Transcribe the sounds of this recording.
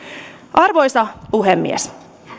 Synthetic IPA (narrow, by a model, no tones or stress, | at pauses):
ʔɑrʋo̞jsɑpuɦemːḭes